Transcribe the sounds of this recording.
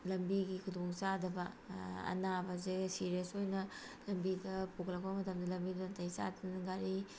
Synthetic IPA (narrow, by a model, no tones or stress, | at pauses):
lɐmbiɡikʰudoŋsadɐbɐɐ̰nabɐzesiɾjesojnɐ | lɐmbidɐpukʰlɐk̚bɐmɐtɐmdɐlɐmbidɐɐnɐtʰɐjsa̰dɐnŋɡaɾi